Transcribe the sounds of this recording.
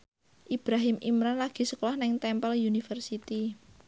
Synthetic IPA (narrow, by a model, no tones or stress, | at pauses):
ʔib̥ɾaɦɪmʔimɾanlaɡ̥i̤səkolɔhnɪŋt̪ɛmpəljunifərsit̪i